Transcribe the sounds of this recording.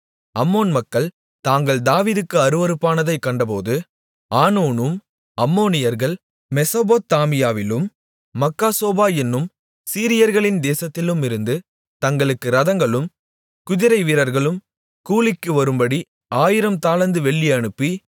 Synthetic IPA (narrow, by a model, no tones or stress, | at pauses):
ɐmːoːnmɐkːɐɭ | t̪aːŋɡɐɭd̪aːʋiːðɯkːɯɐɾɯʋɐɾɯpːaːnɐðɐɪkːɐɳɖɐpo̰ːðɯ | aːnoːnɯm | ɐmːoːnɪjɐɾɣɐɭ | mɛsɐboːt̪ːaːmɪjaːʋɪlɯmː | ɐkːaːsoːbaːɛnːɯm | siːɾɪjɐɾɣɐɭɪnd̪eːsɐt̪ːɪlɯmɪɾɯnd̪ɯ | t̪ɐŋɡɐɭɯkːɯɾɐðɐŋɡɐɭɯm | kʊðɪɾɐɪʋiːɾɐɾɣɐɭɯm | kuːɭɪkːɯʋɐɾɯmbɐɽi | aːjɪɾɐmt̪aːlɐnd̪ɯʋɛɭːiɐɳɯpːi